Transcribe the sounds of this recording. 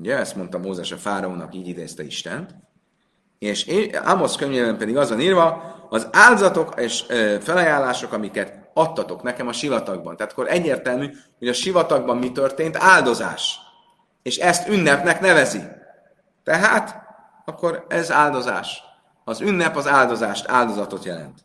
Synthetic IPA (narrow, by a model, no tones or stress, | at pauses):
uɟɛɛst̪mo̞nt̪ɒmoːzɛʃɒfaːɾɒoːnɒ̰kiːɟid̪ḛːst̪ɛḭʃt̪ɛ̰nt̪ | eːʃea̰mo̞skøɲːeːbɛmpɛd̪iɡɒzɒniːrvɒɒzaːld̪zɒt̪o̞keːʃøfɛlɒjaːlːaːʃo̞kɒmikɛt̪ | ɒt̪ːɒt̪o̞knɛkɛmɒʃivɒt̪ɒɡ̚bɒ̰nt̪ɛaːt̪ɒ̥koɾʔɛɟːeːrt̪ɛlmy | ho̞ɟɒʃivɒt̪ɒɡ̚bɒmːit̪ørt̪eːnt̪aːld̪o̞za̰ːʃ | eːʃɛst̪ynːɛpnɛknɛvɛzi | t̪ɛɦaːt̪ | ɒkːo̞ɾɛzaːld̪o̞za̰ːʃ | ɒzynːɛpɒzaːld̪o̞zaːʃt̪a̰ːld̪o̞zɒt̪o̞t̪jɛlɛ̰nt̪